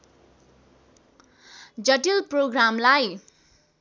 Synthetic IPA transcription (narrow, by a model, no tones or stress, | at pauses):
d͡zʌʈilproɡramlaj